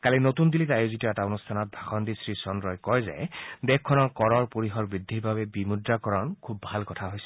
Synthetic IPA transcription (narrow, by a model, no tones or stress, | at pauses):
kalinotundilitajozitɔɛtaonustʰanɔt̚bʱaxɔndisɹisɔnɹɔjkɔjzɛ̰dɛkkʰːɔnɔɹkɔɹɔɹpoɹiɦɔɹbɹid̪ʱːiɹbabɛbimudɹakɔɹɔnkʰubːʱalkɔtʰaɦojsɛ̥